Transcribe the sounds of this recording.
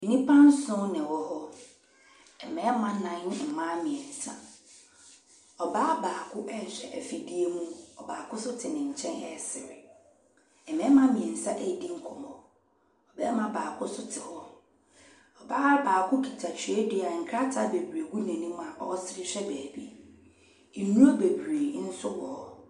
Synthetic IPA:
n˨nĩ˦pʰã˦n˦sʊ̃˦nɪ̃˨wɔ˦hɔ˦ | ɛ˨mɛ̃˨˦mã˦nã˨˦ɪ̃˦m̩˨mã˦mɪ̃˨ɛ˨n̩˨sa˦ | ɔ˨baː˦baː˨kʰʊ˦ʔɛ˦˨ɕᶣɛ̰˨ʔɛ˨fi˨di˦e˦mũ˦ɔ˨baː˨kʊ˦sʊ˦tʰɪ˨nɪ̃˨ɲ̩˨t͡ɕʰɛ̃˦nɛ̰˨sɪ˨ɾɪ˨ | ɛ˨mɛ̃˦mã˦mɪ̃˨ɛ˨n̩˨sa˦ʔɛ˦˨di˦ŋ̩˦kʰɔ˨mɔ̃˨ | ɔ˨bɛ˦mã˦baː˨kʰʊ˦sʊ˦tʰɪ˨hɔ˦ | ɔ˨baː˦baː˨kʰʊ˦kʰi˨tʰa˨t͡ɕʰᶣɥɛ˦dɪ˦˨a˨ŋ̩˨kʰɾa˦tʰa˦be˨bɾe˨ɡu˦nã˨nĩ˦m˦a˨ʔɔ˦sɪ˦ɾɪ˦ɕᶣɛ˦bæː˨bi˦ | e˨nũ˦a˦be˨bɾe˨˦n̩˦sʊ˦wɔː˨

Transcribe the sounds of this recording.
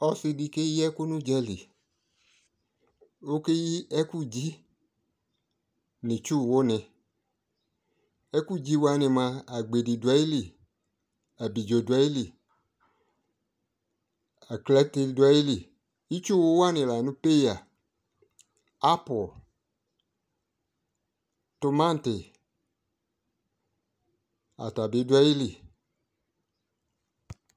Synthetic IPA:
ɔ˧sɪ˧di˧ke˦jɛ˦ku˦nũ˦d͡ʒɛ˦li˨ | o˦ke˦ji˦ɛ˦ku˦d͡ʒi˦ | nɪ̃˨t͡ʃu˦˨wo˦nɪ̃˧ | ɛ˦ku˦d͡ʒi˦wa˧nɪ̃˧mã˧a˨ɡ͡be˨di˨dwɛ˦i˦li˨ | a˨bi˨d͡ʒo˨du˨ɛ˦i˦li˨ | a˨klɛ˦ti˧da˦ji˦li˨ | i˦t͡ʃu˦wo˦wa˦nɪ̃˨la˨nũ˦pe˦ja˨ | a˦pɔ˨l | to˨mã˦n˨te˨ | a̰˨ta˨bi˨˦du˦a˦i˦li˨

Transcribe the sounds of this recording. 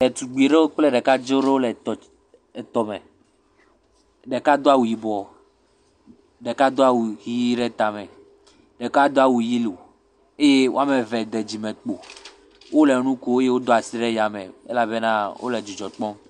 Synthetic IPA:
ɖe˨t̪u˨ɡ͡bi˨ɖe˦o˦k͡ple˦ɖɛ˨ka˦d͡ʒe˦o˦ɖe˦o˦lɛ˨t̪ɔ˨ | t̪ɔ˨me˨ | ɖe˨ka˦d̪o˦a˦wu˨ji˨bɔ˨ | ɖe˨ka˦d̪o˦a˦˨wu˨hi˦ji˦ɖe˦t̪a˨me˨ | ɖe˨ka˦d̪o˦a˨wu˨ji˦lo˨ | e˦je˦wo̰˦a˦me˨vɛ˨d̪e˨d͡ʑi˨mẽ˨k͡po˨ | wʔo˦le˨˦nũ˦ko˦e˦je˦wo˦d̪o˦a˨si˦ɖe˦ja˨mḛ˨ḛ˦la˨be˦nã˦wʔo̰˦le˨d͡ʒu˨d͡ʒɔ˨k͡pɔ̃˦m

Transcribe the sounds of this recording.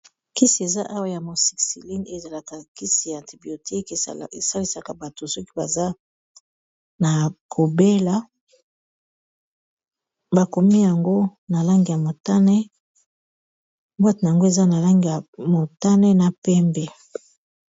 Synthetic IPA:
ki˦si˨e˨za˦ʔa˦wa˦˨ja˨mo˨si̥˨ksḭ˨li˦ne˨za˨la˨ka˨ki˦si˨ja˨ã˨ti˨bi˨o˨tʰi˦ke˨e˨sa˦li˦sa˨ka˨ba˨to˨sɔ˦ki˦ba˨za˦ | na˨kʰo˨be˦la˦ | ba˨ko˨mi˦ja˨ŋɡo˦na˨la˦ŋɡi˨ja˨mo˨ta˦nɛ˦ | ba˦te˨na˨a˨ŋɡo˦e˨za˦na˨la˦ŋɡi˨ja˨mo˨ta˦nɛ˦na˨pɛ˦mbɛ˨

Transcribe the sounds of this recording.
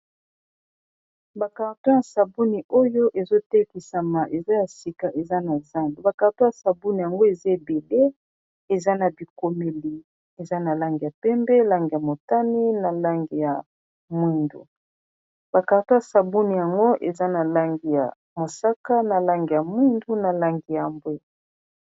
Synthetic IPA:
ba˨ka˨ʁto˦ja˨sa˨bu˦ni˨ʔo˦jo˦ʔe˨zo˦tɛ˦ki˨sa˨ma˨ʔe˨za˦ja˨si˨ka˨ʔe˨za˦na˨za˦ndu˨ba˨ka˨to˦ja˨sa˨bu˦ni˨ja˨ŋɡo˦e˨za˦e˨be˨le˦ | e˨za˦na˨bi˨ko˨me˨li˨ | e˨za˦na˨la˦ŋɡi˨ja˨pɛ˦mbɛ˦la˦ŋɡi˨ja˨mo˨ta˦ni˦na˨la˦ŋɡi˨ja˨ | mwi˦ndṵ˨ | b̥a˨ka˨to˦ja˨sa˨bu˦ni˨ja˨ŋɡo˦ʔe˨za˦na˨la˦ŋɡi˨ja̰˨ | mo˨sa˦ka˦na˨la˦ŋɡi˨ja˨mwi˦ndu˦na˨la˦ŋɡi˨ja˨mbwe˦

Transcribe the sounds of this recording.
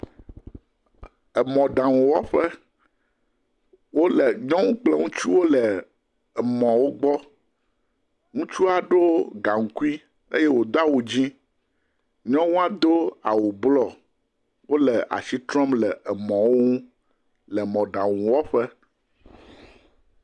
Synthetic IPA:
ə˨mɔ̃˨ɖã˨wũ˨wɔ˦ɸə˦ | wo˦lə˨ɲɔ̃˦ŋũ˦k͡plɛ˦ŋũ˦t͡ʃu˦wo˦lə˨ | ə˨mɔ̃˨wo˦ɡ͡bɔ˦ | ŋũ˦t͡ʃu˦a˨ɖo˦ɡa˨ŋ̩˨ku˦i˦ | ḛ˦je˦wo˨d̪o˦a˦wo˨d͡ʑĩ˦ | ɲɔ̃˦wũ˦a˦d̪o˦a̰˨wo˨blɔ˦ | wo˦lə˨ʔa̰˨si˦t̪ɾɔ˦mlə˨ɛ˨mɔ̃˨wo˦ŋũ˦ | lɛ˨mɔ̃˨ɖã˨wũ˨wɔ˦ɸɛ˦

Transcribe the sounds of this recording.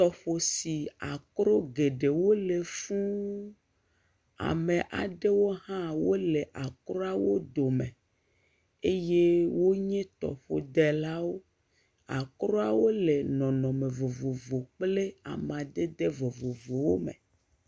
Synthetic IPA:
t̪ɔ˨ɸo˨si˨a̰˨kɾo˦ɡe˨ɖe˨wo˦le˨fũ˦ | a̰˨mẽ˨ʔa̰˨ɖe˦wo˦ɦã˦wo˦le˨ʔa˨kɾo˦a˨wo˦d̪o˨mẽ˨ | e˦je˦wo˦ɲɛ̃˦t̪ɔ̰˨ɸo˨d̪ɛ˨la˦wo˦ | a̰˨kɾo˦a˨wo˦le˨nɔ̃˨nɔ̃˨mẽ˨vo˨vo˨vo˨k͡ple˦a̰˨m˨a˨d̪e˦d̪e˦vo˨vo˨vo˨wo˦mḛ˨

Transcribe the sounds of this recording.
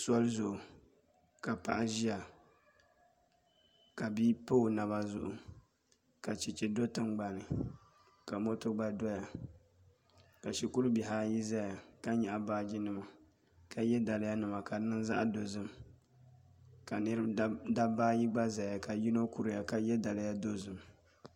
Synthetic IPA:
sɔ˦lzʊ˨ʔʊ˨ | ka˨pa̰˨ʔa˦ʒi˦a˨ | ka˨biː˦po˦˨na˨βa˦zʊ̰˦ʔʊ˨ | ka˨t͡ʃi˨t͡ʃɛ˨do˦tɨ˦ŋɡ͡ba˨nɨ˨ | ka˨mo˦tʊ˦ɡ͡ba˦dɔ˦ja˨ | ka˨ʃi˨ku˦ɾbi˨ɦaː˦ji˦za˦ja˨ka˦ɲɛ˨ʔa˨baː˦d͡ʒi˦nɨ˨ma˨ | ka˨jɛ˦da˨lɪ˦ja˦nɨ˨ma˨ka˨nɨ˦nza̰˦ʔa˦do˨zɨ˦m | ka˨n˦da˦baː˦ji˦ɡ͡ba˦za˨ja˨ka˨ji˦no˦ku˦˨ɾɨ˨ja˨ka˨jɛ˦da˨lɪ˦ja˦do˦zɨ˨m

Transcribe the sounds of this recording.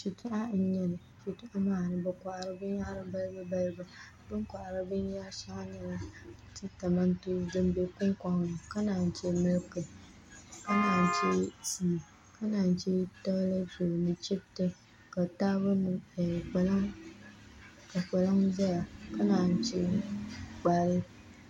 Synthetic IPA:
ʃi˨tʊ˦ʔa˦n̩˦ɲɛ˦nɨ˨ | ʃi˨tʊ˦ʔa˦maː˦˨nɨ˨bɨ˨ka˨ʔa˨ɾɨ˦bɨ˦ɲ˦a˦ɾɨ˦ba˦lbɨ˦ba˦lba˨ | bɨ˦ŋkʷa˨ʔa˨ɾɨ˦bɨ˦ɲ˦ja˦ʃa˦ŋa˦nɨ˨ɾa˦tɨ˦ta˨ma˦n˦tu˦dɨ˦mbe˦kʊ˦ŋka˦ŋ˨ɨ˨ka˦naː˨n̩˨t͡ʃɛ˦mɨ˦lkɨ˨ | ka˦naː˨n˨t͡ʃɛ˦si˨ | ka˦naː˨n˨t͡ʃɛ˦tɔ˦la˦d͡ʒo˨nɨ˨t͡ʃi˦btɨ˦ | ka˨taː˦bɨ˦nɨ˨k͡pɛ˨la˦ŋ | ka˨k͡pɛ˨la˦ŋza˦ja˨ka˦na˨n˨˦t͡ʃɛ˦ | k͡pa˨ɾɨ˦

